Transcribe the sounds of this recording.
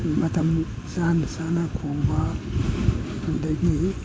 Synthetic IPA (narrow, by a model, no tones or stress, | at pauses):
matam | sandəsanakʰoŋɡa | andaɡi